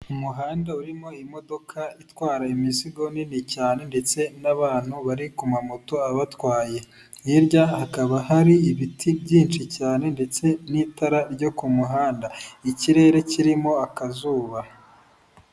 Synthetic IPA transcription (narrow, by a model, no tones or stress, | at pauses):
umuɦaːndauɾimo̞imo̞do̞kʰaitwaːɾaimiziɡo̞ninicaːne̞nde̞t͡se̞naβaːn̥huβaɾikumamoto̞aβatwaːje̞ | iɾɟahakaβahaɾiiβitʰibɟiːnt͡ʃicaːne̞nde̞t͡se̞nitaɾaɾɟo̞kumuɦaːndaiciɾe̞ːɾe̞ciɾimo̞akazuːβa